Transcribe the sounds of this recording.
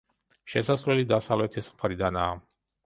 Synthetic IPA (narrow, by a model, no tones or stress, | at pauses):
ʃɛsaslɛlid̪asavlɛt̪ʰismχɾid̪anaː